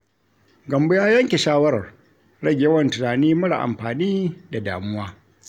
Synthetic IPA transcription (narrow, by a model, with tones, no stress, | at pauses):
ɡɐ˨mbʊ˦jaː˦jɐ˦ŋkʲe˨ʃaː˦wɐ˦ɾɐ˨r | ɽɐ˦ɡʲje˦wɐ˦˨ntʊ˨naː˨niː˦mɐ˦ɽa̰˨ʔa̰˨mɸaː˨niː˦da˨daː˨mʊ˦waː˦